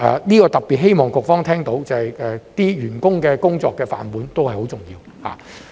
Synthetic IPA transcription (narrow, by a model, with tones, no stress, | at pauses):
ʔɛ̰ː˨niː˥kɔː˧t̪ɐ˨k̚piː˨t̚ɦe˥jmɔː˨ŋkʊ˨k̚fɔː˥ŋt̪ʰɛː˥ŋt̪o˨˥wt͡sɐ˨˩hɐ˨jɛː˨t̪iː˥jyː˨˩nkʊ˥ŋkɛː˧kʊ˥ŋt͡sɔː˧kːɛː˧fa̰ː˨npuː˨˥nt̪o˥whɐ˨jho˨˥wt͡sʊ˨ŋjiː˧w | ha̰ː˨˩